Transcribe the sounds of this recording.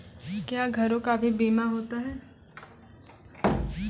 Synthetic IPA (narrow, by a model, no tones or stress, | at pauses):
kjaːɡʱɐɾõkabʱibiːmaɦoːt̪aɦɛː